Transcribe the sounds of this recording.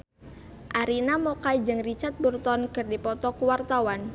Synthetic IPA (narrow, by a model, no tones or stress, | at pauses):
ʔaɾinamɔkajd͡ʒɨŋrit͡ʃat̪̚burt̪ɔnkɨrdipɔt̪ɔkuwart̪awan